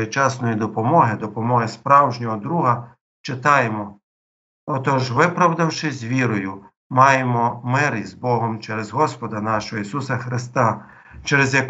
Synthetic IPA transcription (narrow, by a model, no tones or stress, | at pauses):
ɪt͡ʃɑsnɔjid̪ɔpɔmɔɦɪd̪ɔpɔmɔɦɪspɾɑwʒnʲɔɦɔd̪ɾuɦɐ | t͡ʃɪt̪ɑjemɔ | ɔt̪ɔʒʋɪpɾɐwd̪ɐwʃɪzʲʋʲiɾɔjʊ | mɑjemɔmɪɾizbɔɦɔmt͡ʃɛɾɛzɦɔspɔd̪ɐnɑʃɔɦɔisusɐxɾɪst̪ɑ | t͡ʃɛɾɛzʲjɐk